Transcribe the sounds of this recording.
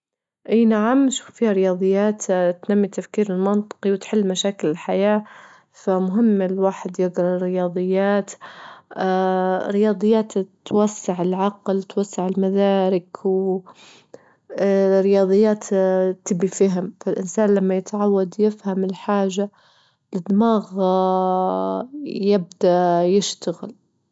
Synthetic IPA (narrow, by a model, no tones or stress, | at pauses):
ʔiːnaʕamʃuːfːiːhaɾɪjɑːd̪ˤɨjːaːt̪t̪namːit̪afkiːɾɪlmɑnt̪ˤɨ̥qiwt̪ħɪlːmaʃaːkɪlɪlħajaː | famʊɦɪmːɪlwaːħɪd̪jɪɡɾˤɑɾɪjɑːd̪ˤɨjːaːt̪ː | ɾɪjɑːd̪ˤɨjːaːt̪t̪wasːɪʕɪlʕɑqlt̪wasːɪʕɪlmad̪aːɾɪkw | rːɪjɑːd̪ˤɨjːaːt̪t̪ɪbifaɦɪmfalʔɪnsaːnlamːajɪt̪ʕawːad̪jɪfhamɪlħaːʒa | lɪd̪maːɣ | jɪb̚d̪ajɪʃt̪aɣɪ̰l